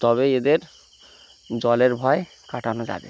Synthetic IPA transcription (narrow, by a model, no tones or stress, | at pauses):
t̪ɔβeed̪eɾ | d͡ʑɔleɾbʱɔe | kaʈanod͡ʑa̰bḛ